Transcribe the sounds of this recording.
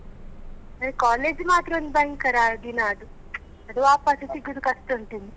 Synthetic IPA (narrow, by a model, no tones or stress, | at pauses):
ɐkaːleːd͡ʒmaːt̪ɾɐɐnd̪bɐjŋɡkɐɾaːd̪inaːd̪u | ɐd̪uʋaːpaːsit̪iɡud̪ukɐst̪ɐuɳʈund̪i